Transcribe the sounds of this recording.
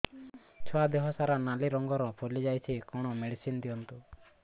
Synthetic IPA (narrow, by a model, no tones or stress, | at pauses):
t͡ʃʰɔad̪eɦɔsaɾanaliɾɔŋɡɔɾɔpʰulid͡ʒajt͡ʃʰikɔɽ̃ɔmeɽisind̪ijɔnt̪u